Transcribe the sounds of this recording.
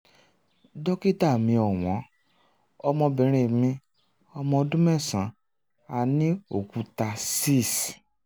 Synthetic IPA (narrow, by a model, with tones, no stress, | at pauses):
dɔ˦ki˦ta˦˨mĩ˧ɔ˨w̃ɔ̃˨˦ | ɔ˧mɔ̃˧bĩ˨ɾ̃ẽ˨mĩ˧ | ɔ˧mɔ̃˧dũ˦mɛ˦˨sã˨˦ | a˨nĩ˨˦o˨ku˧ta˧si˦˨s